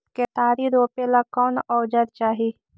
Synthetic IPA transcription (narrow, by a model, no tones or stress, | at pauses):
ket̪aːɾiɾoːpelakɔːnɔːd͡ʒəɾt͡ʃaːɦi